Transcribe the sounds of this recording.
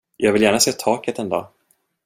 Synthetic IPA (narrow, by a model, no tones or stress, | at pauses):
jʔɑːɡvɪljæːɳaseːt̪ʰɑːkət̪ɛnd̪ɑ̰ː